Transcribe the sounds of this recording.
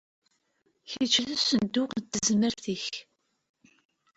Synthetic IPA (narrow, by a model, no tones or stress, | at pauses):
çit͡ʃːðæsənd̪ʊqd̪əzməɾθiç